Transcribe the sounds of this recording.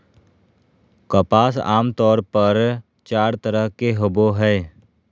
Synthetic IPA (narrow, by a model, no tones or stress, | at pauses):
kɐpaːsa̰ːmt̪ɔːɾpəɾ | t͡ʃaːɾt̪əɾəɦkeɦʊboɦɛː